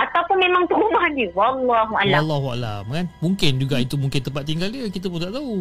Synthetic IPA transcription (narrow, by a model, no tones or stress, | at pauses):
ʔat̪awpʊnmemãŋt̪əumahdiwɑlːɑɦuʔalaalːaɦua̰la̰mkanmuŋkɪnd͡ʒuɡait̪umuŋkɪnt̪əmpat̪̚ːiŋɡaldəkit̪əp̬ʊnt̪aʔt̪au